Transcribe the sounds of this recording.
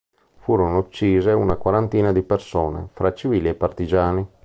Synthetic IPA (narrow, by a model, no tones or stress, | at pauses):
fuːɾonoot͡ʃːiːzeunakwaɾant̪iːnad̪ipersoːnḛfɾat͡ʃiviːliepːart̪id͡ʒaːni